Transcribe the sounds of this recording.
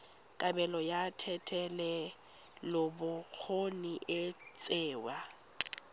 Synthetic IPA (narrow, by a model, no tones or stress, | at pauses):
kʼabɛlɔjatʰɛtʰɛlɛ | lɔbʊk͡xʰoniʔɪt͡sʼɛːwa